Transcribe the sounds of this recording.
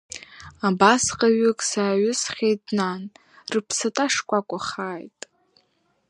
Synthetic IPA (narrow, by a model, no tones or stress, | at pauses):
abasqʼaɥʏkʼsaːɥʏsχʲejtʼnan | rɨpʰsɨtʼaʂkʷʼakʷʼʊχaːjtʼ